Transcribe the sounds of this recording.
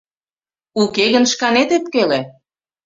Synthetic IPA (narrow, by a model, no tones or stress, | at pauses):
ukeɣənʃkɑnet̪ep̚kele